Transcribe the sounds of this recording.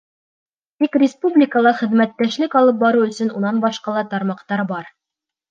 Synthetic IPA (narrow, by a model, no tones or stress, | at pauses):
t̪ikrʲɪspublʲɪkəlˠɑχɘ̆ðmæt̪ːæʃlɘkɑlˠɤp̬̚bɑɾuɵ̆sɵ̆nunɑnbɑʃqɑlˠɑt̪ɑɾmɑqt̪ɑɾbɑɾ